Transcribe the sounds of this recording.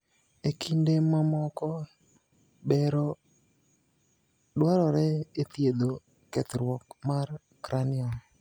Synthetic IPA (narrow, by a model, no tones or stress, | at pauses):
ekʰindemamɔkɔ | bɛɾɔ | dwaɾɔɾɛet̪jed̪o | kɛt̪ɾwɔkmar | kɾanɪɔ